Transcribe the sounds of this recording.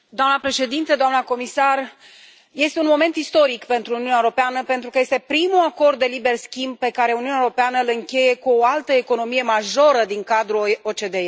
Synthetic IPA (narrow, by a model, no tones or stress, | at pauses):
d̪oamnəpɾe̞ʃe̞d̪int̪əd̪oamnəko̞misar | je̞st̪e̞unmo̞me̞nt̪ist̪o̞ɾikpe̞nt̪ɾuniunɛaewoɾo̞peanəpe̞nt̪ɾukəje̞st̪e̞pɾimuako̞rd̪ːe̞libe̞rskʲimb̚pe̞kaɾe̞uniunaeoɾo̞peanəlɨŋkʲe̞je̞kuoalt̪əeko̞no̞mije̞maʒo̞ɾəd̪iŋkad̪ɾuot͡ʃe̞d̪e̞